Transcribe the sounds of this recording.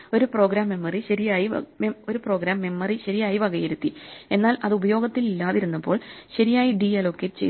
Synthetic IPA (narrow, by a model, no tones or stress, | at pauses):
o̞ɾupro̞ːɡɾaːmːe̞mːɐriɕɐɾijaːjḭmeo̞ɾupro̞ːɡɾaːmːe̞mːɐriɕɐɾijaːjiʋɐɡɐjɐɾut̪ːie̞nːaːlɐðubɐjo̞ːɡɐt̪ːililːaːðiɾunːɐpːo̞ːɭɕɐɾijaːjiɖiːɐlo̞kːeʈt͡ɕḛ